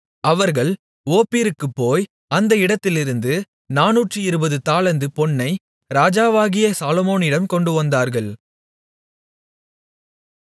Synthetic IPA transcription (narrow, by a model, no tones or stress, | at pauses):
ɐʋɐɾɣɐɭ | oːpːiːɾɯkːɯpːoːj | ɐnd̪ɐɪɽɐt̪ːɪlɪɾɯnd̪ɯ | naːnuːʈrɯɪɾɯbɐðɯt̪aːlɐnd̪ɯpɔɳːɐɪ | ɾaːd͡ʒaːʋaːɣɪjɐsaːlɔmoːnɪɽɐmkɔɳɖɯʋɐnd̪aːɾɣɐɭ